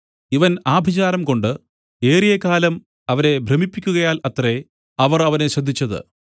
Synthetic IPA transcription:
iʋɐnaːbʱit͡ɕaːɾɐmko̞ɳɖɨ | e̞ːrijɐkaːlɐm | ɐʋɐne̞bʱrɐmipːikʲːuɣɐjaːlɐt̪re | ɐʋɐrɐʋɐne̞ɕɐd̪ʱːit͡ɕːɐðɨ̰

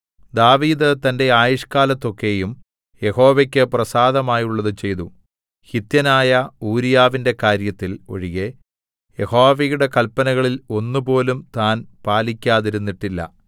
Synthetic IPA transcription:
d̪aːʋiːd̪ɨt̪ɐnde̞aːjuʂkaːlɐt̪ːo̞kːe̞jum | je̞ho̞ːʋekʲːɨprɐsaːðɐmaːjuɭːɐðɨt͡ɕe̞jt̪u | hit̪jɐnaːjɐuːɾijaːʋinde̞kaːɾjɐt̪ːilo̞̰ɻiɣe̞ | je̞ho̞ːʋejuɽe̞kɐlpːɐnɐɣɐɭilo̞nːupo̞ːlumt̪aːnpaːlikʲːaːðiɾunːiʈːilːɐ̰

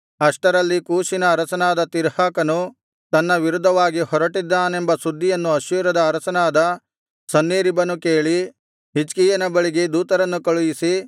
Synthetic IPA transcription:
ɐʂʈɐɾɐlːikuːʃinɐːɾɐsɐnaːd̪ɐt̪iɾhaːkɐnu | t̪ɐnːɐʋiɾud̪ʱːɐʋaːɡihɔɾɐʈid̪ːaːnembɐsud̪ʱːijɐnːuɐʃjuːɾɐd̪ɐːɾɐsɐnaːd̪ɐ | sɐnːeːɾibɐnukeːɭi | ɦit͡ʃkiːjɐnɐbɐɭiɡed̪uːt̪ɐɾɐnːukɐɭujisi

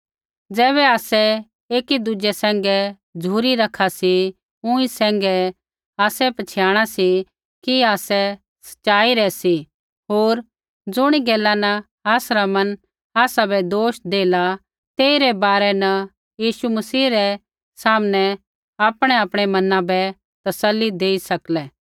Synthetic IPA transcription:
d͡zɛːβɛaːsɛ | eːkid̪ʊd͡ʒɛsɛ̃ːŋɡɛ | d͡ʒʱuːɾiɾɐkʰasi | ʊ̃ĩsɛ̃ːŋɡɛ | aːsɛpɐt͡ʃʰɪjaːɽ̃asi | kiaːsɛ | sɐ̥ʃaːiɾɛsi | ɦoːɾ | d͡zʊɽ̃iɡɛːlːanɐ | aːsɾamɐn | aːsabɛd̪oːʃd̪eːla | t̪eːiɾɛbaːɾɛnɐ | jiːʃumɐsiːɾɛ | saːmnɛ | aːpɽ̃ɛaːpɽ̃ɛmɐnãbɛ | t̪ɐsəlːid̪eːisɐklɛː

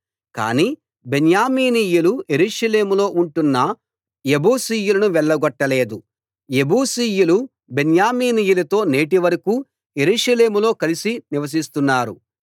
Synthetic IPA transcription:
ka̰ːniː | benjaːmiːniːjuluje̞ɾuːʂɐle̞ːmulo̞ːʔuɳʈunːɐ | je̞buːsiːjulɐnuʋɛɭːɐɡɔʈːɐle̞ːd̪u | je̞buːsiːjulu | benjaːmiːnijulɐt̪o̞ːne̞ːʈ̬iʋɐɾɐkuː | je̞ɾuːʂɐle̞ːmulo̞ːkɐlisiniʋɐs̬ist̪unːaːɾṵ

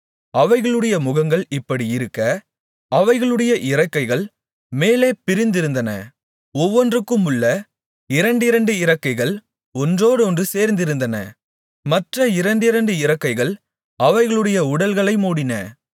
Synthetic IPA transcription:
ɐʋɐɪɣɐɭɯɽɐjɐmʊɣɐŋɡɐɭɪpːɐɽiɪɾɯkːɐ | ɐʋɐɪɣɐɭɯɽɐjɐʔɪɾɐkːɐɪɣɐɭ | meːleːpɪɾɪnd̪ɪɾɯnd̪ɐnɐ̰ | ɔʋːɔndrɯkːɯmʊɭːɐ | ɪɾɐɳɖɪɾɐɳɖɯɪɾɐkːɐɪɣɐɭ | ɔndroːɽɯɔndrɯseːɾnd̪ɪɾɯnd̪ɐnɐ̰ | mɐʈrɐɪɾɐɳɖɪɾɐɳɖɯɪɾɐkːɐɪɣɐɭ | ɐʋɐɪɣɐɭɯɽɐjɐʊɽɐlɣɐɭɐɪmuːɽɪnɐ̰

